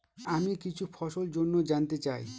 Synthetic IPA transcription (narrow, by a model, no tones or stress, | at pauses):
amikit͡ʃʰupʰɔʃold͡ʒonːod͡ʒant̪et͡ɕaj